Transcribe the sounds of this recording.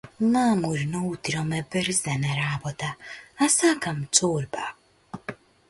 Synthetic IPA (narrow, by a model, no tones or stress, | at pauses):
maːmuɾnɔut̪iɾɔmɛbɛɾiszɛnɛɾabɔt̪aasakam̩t͡soːɾba